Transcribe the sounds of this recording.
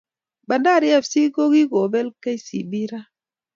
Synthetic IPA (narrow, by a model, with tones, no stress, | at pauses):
ɓa˨nda˦˨ɾi˦a˦˨fsi˦ɡo˦ɡi˦ɡo˨be˦lka˦jsḭ˨bi˦ɾa˦